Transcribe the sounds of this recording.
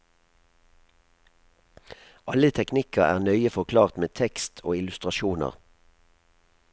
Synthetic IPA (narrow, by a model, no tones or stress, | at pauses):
ʔɑlət̪ʰɛknɪkəæ̰ːʁnœʏəfɔʁkʰlɑːʁt̪meːt̪ʰɛkst̪ʰoːɪlʉst̪ʁɑʃuːnə̰ʁ